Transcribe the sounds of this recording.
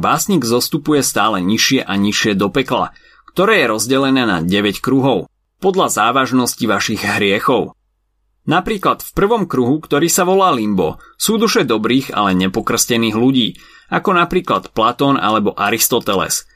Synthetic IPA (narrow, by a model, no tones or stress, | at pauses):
baːsɲiːɡzɔst̪upujɛst̪aːlɛɲiʃɪɛʔaɲiʃɪɛd̪ɔpɛkla̰ | kt̪ɔɾɛːjɛɾɔzɟɛlɛnɛːna̰ɟɛʋɛckɾuɦɔʊ | pɔd̪ʎazaːʋaʒnɔsciʋaʃiɣɦɾɪɛxɔʊ | napɾiːklat̪fpr̩ʋɔmkɾuɦukt̪ɔɾiːsaʋɔlaːlimbɔ̰suːd̪uʃɛd̪ɔbɾiːɣa̰lɛɲɛpɔkr̩scɛniːɣluɟiː | akɔnapɾiːklat̪plat̪ɔːna̰lɛbɔʔaɾist̪ɔt̪ɛlɛ̰s